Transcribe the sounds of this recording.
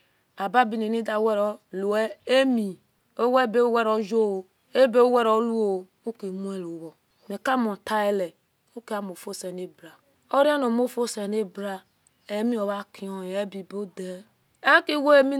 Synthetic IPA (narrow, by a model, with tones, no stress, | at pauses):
a˨ba˦bi˦ne˨ni˦da˨˦we˦ɾo˦lu˨e˦e˦mi˨ | o˦we˦˨be˦o˦we˦ɾo˦d͡ʒo˦˨ | e˦be˦o˦we˦ɾo˦lu˦o˦˨ | u˦ke˨mu˦e˦˨lo˨wo˨ | me˨ka˦mo˨ta˦e˦le˨ | o˦ke˦a˦mo˨fo˦se˨ne˦bɾa˨ | o˦ɾi˦a˦no˨mo˦fo˦se˨ne˦bɾa˦ | e˨˦mĩ˦o˨βa˦ki˨˦o˦˨je˦bi˨bo˦de˨˦ | a˦ki˦wo˦e˦mi˦